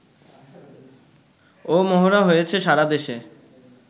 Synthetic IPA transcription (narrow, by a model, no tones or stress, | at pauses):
omɔɦoɾaɦojet͡ɕʰeʃaɾad̪eʃe